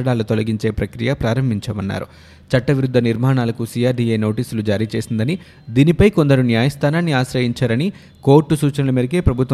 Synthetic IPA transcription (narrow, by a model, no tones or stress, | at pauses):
ɐɽaːlɐt̪o̞lɐɡiɲt͡ʃe̞ːpɾɐkɾḭjɐpɾaːɾɐmbʱiɲt͡ʃɐmɐnːa̰ːɾṵ | t͡ʃɐʈːɐʋiɾud̪ʱːɐniɾmaːɳaːlɐkusiːaːɾɖiɐjno̞ːʈiːsulud͡ʒaːɾiːt͡ʃe̞ːsind̪ɐni | d̪iːnipɐjkond̪ɐɾunjaːjɐst̪ʰaːnaːnːiaːʃɾɐjiɲt͡ʃaːɾɐni | ko̞ːɾʈːusuːt͡ʃɐnɐlɐmeɾɐk̬e̞ːpɾɐbʱut̪ʋ